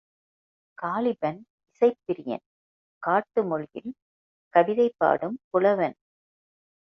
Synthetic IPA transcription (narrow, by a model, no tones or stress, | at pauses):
kaːlɪbɐn | ɪsɐɪp̪ːɪɾɪjɐ̰n | kaːʈːɯmɔɻjɪ̰l | kɐʋɪðɐɪpːa̰ːɽɯmkʊɭɐʋɐn